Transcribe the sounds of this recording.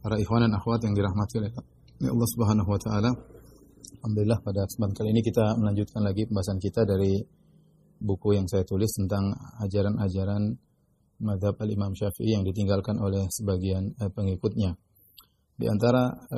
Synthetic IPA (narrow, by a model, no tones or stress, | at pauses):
paɾaixwandanaxwat̪jaŋdiɾahmat̪iolɛ | lɛ̰ɑ̰lˠˤːɑhsubəɦanaɦwat̪aʔala | hamd̪ulɪlːahpadasbankalinikit̪aməlaɲd͡ʒut̪̚kanlaɡipəmbaɦasankit̪adaɾi | bukujaŋsajat̪ulɪst̪ənt̪aŋad͡ʒaɾanad͡ʒaɾan | maðhabalimamʃafḭʔijaŋdit̪̬iŋɡalkanolɛhsəbaɡianəpəŋikʊt̪̚ɲa | dḭʔa̰nt̪aɾa